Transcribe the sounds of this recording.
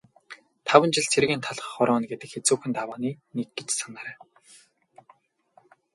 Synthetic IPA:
t̪ʰawə̆nt͡ɕɪ̆ɮt͡sʰeɾɣiːnt̪ʰaɮə̆χɔɾɔːnɡet̪ɘ̆kxet͡suːxɘ̆nt̪awaːniːnek̚ɡet͡ɕsanaːɾæː

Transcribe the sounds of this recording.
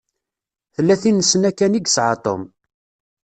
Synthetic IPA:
θəlːæθinːəsənækːæniɡsʕɑ̰t̪ˤo̰m

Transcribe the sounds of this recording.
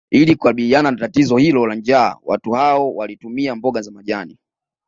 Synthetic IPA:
ilikukaɓiliananatatizɔhilɔland͡ʒa̰ːwa̰tuhaɔwalitumiambɔɠazamaʄani

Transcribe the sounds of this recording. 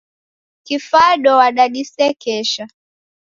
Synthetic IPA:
kifaɗɔwaɗaɗisɛkɛʃa

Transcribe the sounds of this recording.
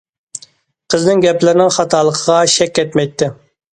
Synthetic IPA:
qʰəznɪŋɡʲɛplɪɾɪnɪŋχɑt̪ʰɑlˠəqʰəʁɑʃɛkʲːɛt̪mɛjt̪ʰːɪ

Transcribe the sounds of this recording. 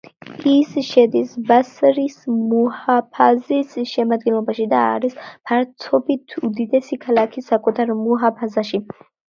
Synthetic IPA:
isʃɛd̪isbasɾismɔhapʰazisʃɛmad̪̚ɡɛnlˠɔbaʃid̪a̰ːɾispʰaɾt̪ʰɔbit̪ʰud̪id̪ɛsikʰalakʰisːakʼut̪ʰaɾmuɦapʰazaʃi

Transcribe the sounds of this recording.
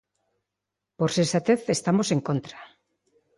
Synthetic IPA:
poɾsensat̪eθest̪amoseŋkont̪ɾa

